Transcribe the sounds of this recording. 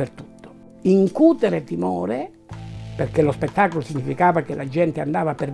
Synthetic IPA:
ert̪u̥t̪ːo̥ | iŋkuːt̪eɾet̪imɔːɾe | perkelospet̪ːaːkolosiɲːifikaːvakelad͡ʒɛnt̪eand̪aːvaper

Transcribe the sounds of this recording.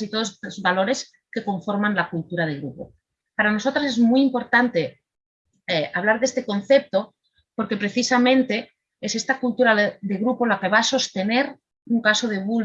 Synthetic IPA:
sit̪oðosozβalo̞ɾe̞s | ke̞ko̞ɱfo̞ɾmãnlakult̪uɾað̞eɣ̞ɾupo̰ | paɾano̞so̞t̪ɾas̬ezmuijimpo̞ɾt̪ant̪e̞ | eaβlaɾðest̪e̞ko̞n̟θe̞p̚t̪o̞ | po̞ɾke̞pɾe̞θisamẽ̞nt̪e̞ | esest̪akult̪uɾaðeɣɾupo̞lake̞β̞aːso̞st̪e̞ne̞ɾ | uŋkasoð̞e̞β̞ul

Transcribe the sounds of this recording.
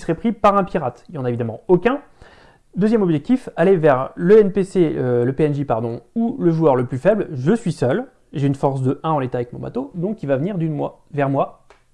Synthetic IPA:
səʁɛpχipaʁɛ̃piʁat̪iljɑ̃naevid̪amɑ̃okʲɛ̃ | d̪øzjɛmɔbʒɛk̚t̪ifalevɛʁləɛnpeseləpeɛnʒipaʁd̪ɔ̃uləʒuœʁləplyfɛblʒəsɥisœl | ʒeynfɔʁs̬d̪əʔɛ̃ɑ̃let̪avɛkmɔ̃ba̰t̪od̪ɔ̃kʲːivavəniʁd̪ymwa | vɛʁmwa

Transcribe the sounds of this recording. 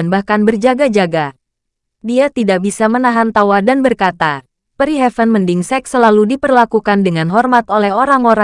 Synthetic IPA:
nbahkanbərd͡ʒaɡad͡ʒaɡa | diat̪idak̚bisamənaɦant̪awadanbərkat̪a | pəɾiɦɛfənməndiŋsɛk̚səlaludipərlakukandəŋanɦɔrmat̪olɛhoɾaŋoɾa

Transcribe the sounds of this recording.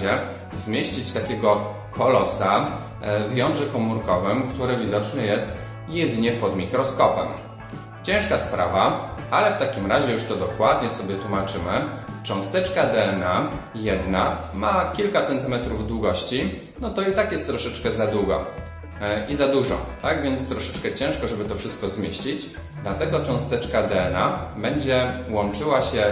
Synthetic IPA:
ɛ | zmʲjeɕt͡ɕit͡ɕt̪akʲɛɡɔ | kʰɔlɔsa | vjɔnʐɛkɔmuɾkɔvɛmkt̪uɾɛvʲid̪ɔt͡ʂnɘjɛst̪ | jɛd̪ɲɛpɔd̪mʲikɾɔskɔpɛ̰m | t͡ɕɛ̃ʂkaspɾa̰vaalɛft̪akʲimɾaʑɛjuʂt̪ɔd̪ɔkwad̪ɲɛsɔbʲjɛt̪wumat͡ʂɘmɘt͡ʂɔ̃w̃st̪ɛt͡ʂkad̪ɛɛna | jɛd̪namakʲilkat̪sɛnt̪ɘmɛt̪ɾuvd̪wuɡɔɕt͡ɕi | nɔt̪ɔit̪akjɛst̪ːɾɔʂɛt͡ʂkɛzad̪wuɡɔ̰ | izad̪uʐɔ̰t̪aɡvʲjɛnt̪st̪ɾɔʂɛ̥t͡ʂkɛt͡ɕɛ̃w̃ʂkɔʐɛbɘt̪ɔfʂɘst̪̚kɔzmʲjeɕt͡ɕid͡ʑ | d̪lat̪ɛɡɔt͡ʂɔ̃w̃st̪ɛt͡ʂkad̪ɛɛnabɛɲd͡ʑɛwɔnt͡ʂɘwaɕɛ

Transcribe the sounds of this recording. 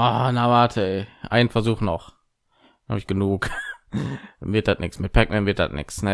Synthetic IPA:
ʔaːnavaɐtʰəɛʔa̰ɪnən̩fɛɐzuːχnɔχ | ha̰ːbɪçɡ̥ənuːk | vɪɐt̚d̥atnɪksmɪt̚pʰɛk̚mʔɛnvɪɐt̚d̥a̰tnʔɪ̰ksnə

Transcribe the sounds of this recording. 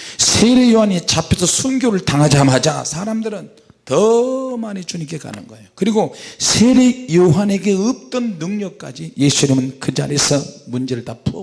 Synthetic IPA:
sʰeɾe̞joɦanit͡ɕapʰesʰʌsʰunɡjoɾɯɭtaŋɦad͡ʑamɦad͡ʑa̰sʰaɾamdɯɾɯn | tʌmaɲit͡ɕuɲike̞ka̰nɯ̰nɡʌe̞jokɯɾiɡosʰeɾejoɦane̞ɡe̞ɯp̚t͈ɯnːɯŋɲʌk̚k͈a̰d͡ʑije̞sʰuɲimɯnkɯd͡ʑa̰ɾesʰʌmund͡ʑe̞ɾɯɭtapʰo̰

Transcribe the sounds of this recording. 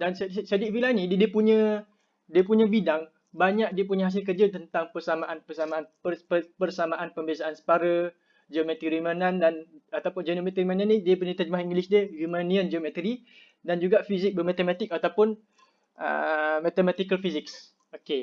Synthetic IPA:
danssadiʔ̚filanĩddiəpuɲə̃ | diəpuɲə̃bidaŋ | baɲak̚diəp̬uɲə̃ɦas̬ɪlk̬ərd͡ʒət̪ənt̪aŋpərsamãʔanpərsamaanəəpərsamãʔanpəmbiasaʔansə̥paɾə | d͡ʒəmɛt̪iɾiumanãndanat̪awpʊnd͡ʒənomɛt̪əɾimanãnĩdiəpuɲə̃t̪ad͡ʒmahiŋɡlisdiəhumaniənd͡ʒəmɛt̪əɾi | dand͡ʒuɡaʔfizɪk̚bəmat̪əmat̪ɪk̚at̪awpʊn | ə̰mat̪əmat̪ikəlfizɪks | oke

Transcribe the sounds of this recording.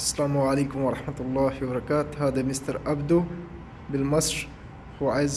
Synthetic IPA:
sːalaːmwʕaleːkʊmwɑɾˤɑħmat̪lˤːɑːfibɑɾˤɑkaːt̪haːd̪amɪst̪ɑɾˤʔabd̪u | bɪlmɑsˤɾ | huwʕaz

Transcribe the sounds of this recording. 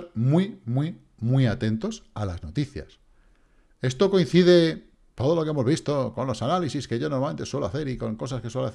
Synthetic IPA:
ɾmwimwi | mwiat̪e̞nt̪o̞salazno̞t̪iθja̰s | e̞st̪o̞ko̞in̟θiðe̞ | t̪o̞ð̞o̞lo̞keemo̞zβist̪o̞ko̞nlo̞sanalisiskeʝonomame̞nt̪e̞swe̞loaθe̞ɾiko̞ŋko̞saske̞swelaθ

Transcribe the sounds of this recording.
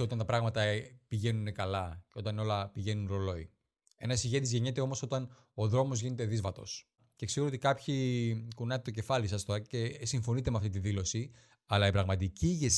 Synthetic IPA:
o̞t̪ɐnt̪ɐpɾɐɣmɐt̪ɐpiʝe̞nune̞kɐlɐceo̞t̪ɐno̞lɐpiʝe̞nunɾo̞lo̞i | e̞nɐsiʝe̞t̪̬izʝe̞ɲe̞t̪e̞o̞mo̞so̞t̪ɐn | o̞ðɾo̞mo̞zʝine̞t̪eðizvɐt̪o̞̰s | cekseɣo̞t̪ikɐpçikunɐt̪et̪oce̞fɐlisɐst̪o̞ɾɐce̞siɱfo̞nit̪e̞meɐft̪it̪iðilo̞si | ɐlɐipɾɐɣmɐt̪iciʝes

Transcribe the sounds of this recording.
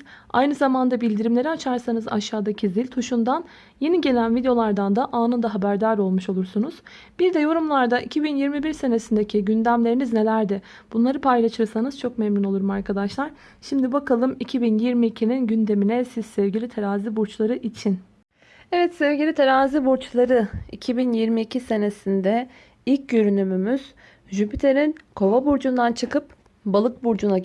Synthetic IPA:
a̰jnɯzamand̪abilʲd̪iɾimlʲe̞ɾiat͡ʃʰaɾsanɯza̰ʃaːd̪acʰizilʲt̪ʰuʃund̪an | je̞niɟe̞lʲænvid̪eo̞lˠaɾd̪and̪aʔaːnɯnd̪aɦabæɾd̪aːɾo̞lˠmuʃo̞lˠuɾsunuz̥ | b̥iɾd̪ɛjo̞ɾumlˠaɾd̪aʔicʰibinjiɾmibiɾse̞ne̞sind̪e̞cʰiɟynd̪æmlʲe̞ɾinizne̞lʲæɾd̪ɪ | b̥unlˠaɾɯpʰajlˠaʃɯɾsanɯzt͡ʃʰo̞kmɛmino̞lˠuɾumaɾkʰad̪aʃlˠaɾ̥ | ʃimd̪ibakʰalˠɯmicʰibinjiɾmiːcʰininɟynd̪e̞minɛsiz̥sɛvɟilʲit̪ʰeɾaːzibuɾt͡ʃlˠaɾɯʔit͡ʃʰin | ɛvɛt̪sɛvɟʲilʲit̪ʰeɾaːzibuɾt͡ʃlˠaɾɯicʰibinjiɾmiːcʰise̞ne̞sind̪ɛ | ilʲc̚ɟøɾynymymyz̥ | ʒypʰit̪ʰe̞ɾinkʰo̞vabuɾd͡ʒund̪ant͡ʃʰɯkɯp̚ | balˠɯk̚buɾd͡ʒuna

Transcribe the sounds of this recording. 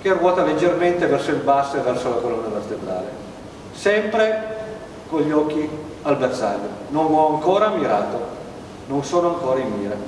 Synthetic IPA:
k̟ɛrːwɔːt̪aled͡ʒerment̪evɛrsoilbasːevːɛrsolakolɔnːavert̪ed̪ɾa̰ːlḛ | sɛmpɾe | koʎːiɔk̟ːi | albersa̰ːʎːononɔaŋkoːɾamiɾaːt̪o | nonsoːnoaŋkoːɾaimːiːɾa

